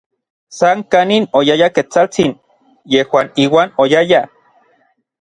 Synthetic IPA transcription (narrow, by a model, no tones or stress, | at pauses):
saŋkaninojajaket͡salt͡sin | jehwaːniːwaːnojaja